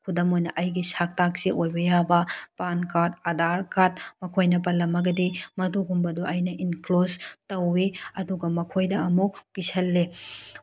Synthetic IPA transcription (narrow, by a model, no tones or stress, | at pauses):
kʰudɐmojnɐʔɐjɡisak̚tak̚siʔojbɐjabɐpankat̚ɐdaɾkat̚mɐkʰojnɐpɐlːɐmɐɡɐdimɐduɡumbɐduʔɐjnɐʔinklostɐwːiɐduɡɐmɐkʰojdɐɐmukpisɐlːe